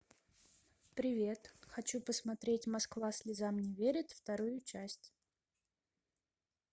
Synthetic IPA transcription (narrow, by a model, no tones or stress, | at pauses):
pɾʲɪvʲe̞t̪xɐt͡ɕupəsmɐt̪ɾʲetʲmɐskvasʲlʲɪzamnʲɪvʲeɾʲɪt̪ft̪ɐɾujʊt͡ɕæsʲtʲ